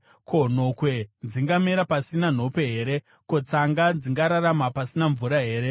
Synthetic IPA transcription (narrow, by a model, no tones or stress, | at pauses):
kʰo̞n̤o̞kwe̞nd͡ziŋɡameɾapasinan̤o̞pe̞ɦe̞ːɾe̞ | ko̞t͡saŋɡad͡ziŋɡaɾaɾamapasinaɱvuɾaɦe̞ːɾe